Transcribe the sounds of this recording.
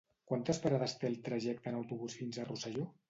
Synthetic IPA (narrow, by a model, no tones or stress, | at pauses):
kwant̪əspəɾaðəst̪elˠt̪ɾəʒɛk̚t̪ənəwt̪uβusfinzərusaʒo